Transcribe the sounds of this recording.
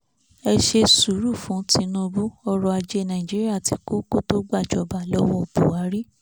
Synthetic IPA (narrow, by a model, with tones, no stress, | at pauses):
ɛ˧ʃe˧su˨˦ɾu˦˨fũ˨˦ti˧˦nũ˧bu˦ɔ˦˧ɾɔ˧a˧d͡ʒe˧˦nã˨ĩ˨d͡ʒi˦ɾi˦a˦˨ti˨˦ko˦ko˦to˦ɡ͡ba˦˨d͡ʒɔ˨ba˨˦lɔ˦wɔ̃˦˨b̥u˨wa˨˦ɾi˦